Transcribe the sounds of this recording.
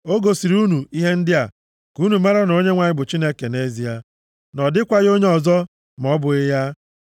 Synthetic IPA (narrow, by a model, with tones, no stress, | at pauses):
o˦ɡo˨si˨ɾu˦nu˨i˦ɦe˦n̩˦dɪ˦a˨ | ku˦nu˨ma˦ɾa˦n˨o˦ɲe˦ŋʷa˨ɲɪ˦bʊ˨t͡ʃi˦ne˦ke˨ne˦zi˨a˦ | nɔ˨dɪ˦kʷa˦ɣo˦ɲe˦ɔ˨zɔ˦ | m˨ɔ˦bʊ˨ɪ˦ja˦